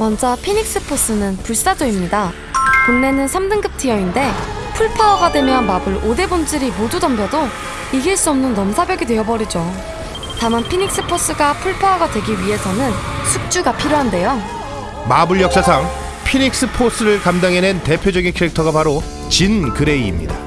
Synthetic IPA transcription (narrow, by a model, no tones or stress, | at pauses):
mʌnd͡ʑʌpʰiɲik̚s͈ɯpʰos͈ɯnɯnpuɭs͈ad͡ʑoimɲida | kunne̞nɯnsʰamdɯŋɡɯp̚tʰijʌinde̞ | pʰuɭpʰawaɡadwe̞mjʌnmabɯɾode̞bund͡ʑɯɾimodudʌmbjʌdo | iɡiɭs͈uʌmnɯnːʌmusʰabjʌɡidwe̞ʌbʌɾid͡ʑo | tamanpʰiɲik̚s͈ɯpʰos͈ɯɡapʰuɭpʰawaɡadwe̞ɡiɥiɦe̞sʰʌnɯnsʰuk̚t͡ɕ͈uɡapʰiɾjoɦande̞jo | mabɯɭjʌk̚s͈asʰaŋ | pʰiɲik̚s͈ɯpʰos͈ɯɾɯɭkamdaŋenente̞pʰjod͡ʑʌɡinkʰeɾik̚tʰʌɡapaɾo | t͡ɕinkɯɾe̞iːmɲḭda̰